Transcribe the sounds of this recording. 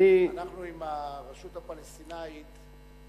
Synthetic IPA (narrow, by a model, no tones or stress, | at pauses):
anaχnuimamaʃut̪apalɛst̪inait̪